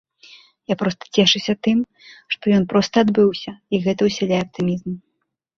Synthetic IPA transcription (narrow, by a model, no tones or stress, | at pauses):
japɾɔst̪ɐ̥t͡sʲɛʂɨsʲɐt̪ɨm | ʂt̪ɔjɔnpɾɔst̪ɐːd̪bɨwsʲɐiɣɛt̪ɐwsʲɛlʲajɛɐp̚t̪ɨmʲizm